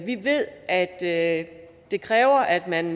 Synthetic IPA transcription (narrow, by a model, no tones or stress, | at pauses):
ʋiʋe̝ð̰ˠʔæd̥ | d̥e̝kʰʁɛːʊɐʔæd̥mæn